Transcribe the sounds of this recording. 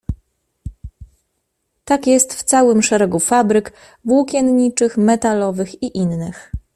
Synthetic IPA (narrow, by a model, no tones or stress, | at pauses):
t̪akjɛst̪ft̪sawɘmʂɛɾɛɡufabɾɘk | vwukʲjɛnɲit͡ʂɘxmɛt̪alɔvɘxiʔinːɘx